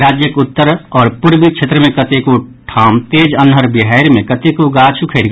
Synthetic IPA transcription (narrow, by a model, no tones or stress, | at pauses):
ɾaːd͡ʒjəkʊt̪ːəɾɔːɾpʊɾbikt͡ʃʰʃʰeːt̪ɾəmẽkət̪ekoʈʰaːmt̪eːd͡ʒənɦəɾbɪɦaːɾmẽkɐt̪ekoɡaːt͡ʃʰukʰeːɽ